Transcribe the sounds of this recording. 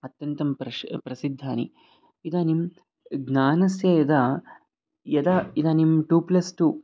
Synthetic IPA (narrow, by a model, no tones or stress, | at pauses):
ɐt̪jɐnt̪ɐmpɾɐpɾɐsid̪ʱːaːnḭ | id̪aːnim | ɡnaːnɐsjɐjɐd̪a | jɐd̪aid̪aːnimʈuːplɐsʈuː